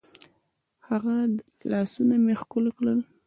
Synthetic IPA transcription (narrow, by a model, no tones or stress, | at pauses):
haɣa | lɑsunamexkʊlkləl